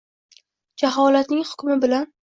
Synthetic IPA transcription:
d͡ʒaɦɒlat̪nɪŋhʊ̥kʲmɪbɪlan

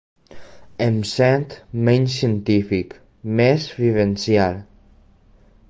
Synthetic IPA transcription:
emsɛnt̪mẽɲsiənt̪ifik | mezβiβensjalˠ

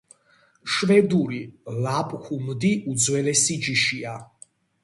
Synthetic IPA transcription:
ʃvɛd̪uɾilapʼxumd̪iʔud̪zwɛlɛsid͡ʒiʃia

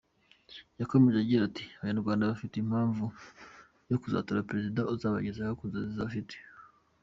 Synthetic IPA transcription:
jako̞me̞ʒeaɟiɾatiaβaanuɾɡwaːndaβafiteim̥haːɱvu | jo̞kuza̰tuɾapeɾezidauzaːβa̰ɟezahokunzazizaβafite̥

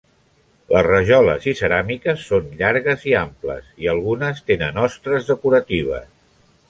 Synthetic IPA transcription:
ləzrəʒɔlə̰zisəɾamikəsːonʎaɾɣəziamplə̰siəlˠɣunəst̪enənɔst̪ɾəzðəkuɾət̪iβ̞ə̰s

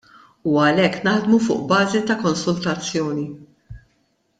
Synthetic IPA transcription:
uɐlɛkːnɐħd̪mufʊ̰ːʔbɐːzit̪ɐkɔnsʊlt̪ɐt͡sːjɔːni

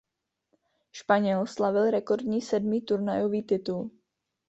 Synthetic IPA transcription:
ʃpaɲɛlslavɪlɾɛko̞ɾdɲiːsɛdmiːt̪uɾnajoviːt̪ɪt̪ul

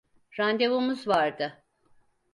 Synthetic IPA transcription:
ɾand̪evomuzvaɾd̪ɯ

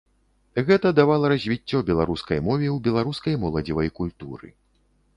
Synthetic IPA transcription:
ɣɛt̪ɐd̪avalˠɐɾɐzʲvʲit͡sʲːɔbʲɛlˠaɾuskɐjmɔvʲɛwbʲɛlˠaɾuskɐjmɔlˠɐd͡zʲivɐjkulʲt̪uɾɨ̰

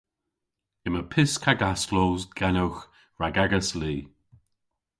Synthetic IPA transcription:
ɪməpʰɪskʰaɡaslowzɡɛnəwx | ɹaɡɛɡəsliː

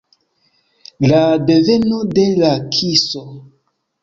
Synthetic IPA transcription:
ladeve̞nodelakʰiso

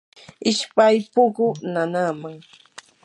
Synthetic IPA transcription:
ɪʃpajpʊkʊnanamaŋ

